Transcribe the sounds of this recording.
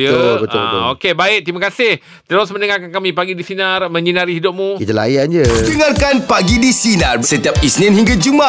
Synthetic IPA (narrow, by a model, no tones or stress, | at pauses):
jəolbət̪obt̪o̰okebaɪʔ̚t̪imãkasɪh | t̪əɾosmənəŋarkankamĩpaɡidisinarmə̃ɲinaɾiɦidop̚mũit̪ula̰jand͡ʒədəŋarkanpaɡidisinarsət̪iap̚isninhiŋɡad͡ʒuma